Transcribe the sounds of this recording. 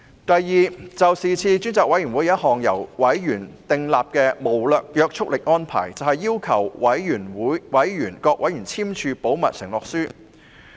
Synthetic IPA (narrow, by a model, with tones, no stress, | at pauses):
t̪ɐ˨jːiː˨t͡sɐ˨wsiː˨˩t͡sʰiː˧t͡ʃyː˥nt͡sɔː˨kwɐ˨˥jyː˨˩mwu˨˥jɐ˥t̚hɔː˨ŋjɐ̰˨˩wwɐ˨˥jjyː˨˩nt̪ɪ˨ŋlaː˨p̚kɛː˧mo˨˩wlœː˨k̚jœː˧k̚t͡ʃʰʊ˥k̚lɪ˨k̚ŋɔː˥npʰa̰ː˨˩jt͡sɐ˨whɐ˨jːiː˥wkʰɐ˨˩wwɐ˨˥jjyː˨˩nwuː˨˥jwɐ˨˥jjyː˨˩nkɔː˧k̚ʔɐ˨˥jyː˨˩nt͡sʰiː˥mt͡ʃʰyː˧po˨˥wmɐ̰˨t̚sɪ̰˨˩ŋlɔː˨k̚syː˥